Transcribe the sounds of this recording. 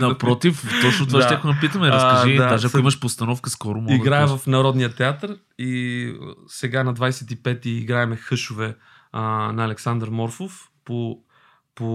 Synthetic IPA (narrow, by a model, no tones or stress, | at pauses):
nɐpɾɔt̪ift̪ɔt͡ʃnot̪vaajakonɐpit̪əmɛɾəsɐʒiad̪aʒɐkiməʃpost̪ɐnɔfkəskɔɾʊmɔiɡɾaɛvɐfnɐɾɔd̪nijət̪ɛat̪əɾ | i | sɛɡanɐd̪vajsɛt̪ipɛt̪iːɡɾaɛmɛxɤʃʊvɛ | nɐːlɛksand̪ɾmɔɾfof | po | po